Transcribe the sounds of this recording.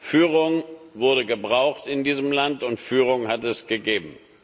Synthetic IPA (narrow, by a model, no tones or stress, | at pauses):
fyːʁʊŋvʊɐɾəɡəbʁaʊxtɪndiːzəmlantʊntfyːʁ̞ʊŋhatɛsɡ̥əɡeːbm̩